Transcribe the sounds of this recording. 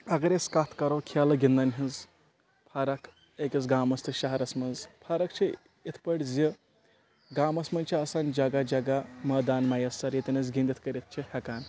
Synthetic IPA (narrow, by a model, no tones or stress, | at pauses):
ɐɡɐɾeskat̪ʰkɐɾɐwkʰalɐɡʲind̪ɐnɦiz | pʰaːɾɐkʰ | ekʲiz̬ɡaːmɐst̪ʰɨʃɐɦɐɾɐsmɐnzpʰaɾɐk̚t͡ʃʰi | it̪ʰpɐɽʲzʲi | ɡaːmɐsmɐnʲt͡ʃʰiɐːsaːnʲd͡ʒɐɡad͡ʒɐɡamɐːd̪aːnmɐjɐsːɐɾjet̪ʲinɐz̬ɡʲind̪it̪ʰkɐɾit̪̚t͡ʃʰihɐkaːn